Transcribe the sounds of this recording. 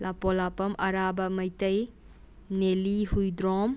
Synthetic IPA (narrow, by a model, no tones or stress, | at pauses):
lapolapɐmʔɐɾabɐmɐjtɐj | nelihujdɾɔm